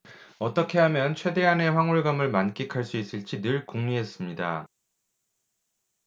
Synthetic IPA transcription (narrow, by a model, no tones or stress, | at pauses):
ʌt͈ʌkʰe̞ɦamjʌnt͡ɕʰwe̞de̞ane̞ɸwaŋuɭɡamɯɭmank͈ikʰaɭs͈uis͈ɯɭt͡ɕ͈idɯɭkoŋɲuɦe̞s͈ɯmɲida̰